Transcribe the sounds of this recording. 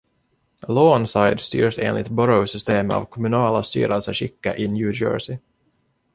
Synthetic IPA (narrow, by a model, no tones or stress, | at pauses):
loːnsajd̪st̪yːɾsḛːnlɪt̪bɔɾəʊsʏst̪eːma̰vkʰɔmɵnɑːlast̪y̰ːɾəlsəɕɪkːa̰ʔɪnjʉːd͡ʒœ̰ːɹʂɪ